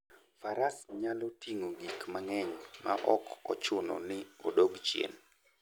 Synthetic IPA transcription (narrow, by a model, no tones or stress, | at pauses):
faɾasɲalɔtʰiŋoɡikmaŋɛɲma̰ʔɔkɔt͡ʃʊnɔ̰nɪo̰doɡt͡ʃjḛn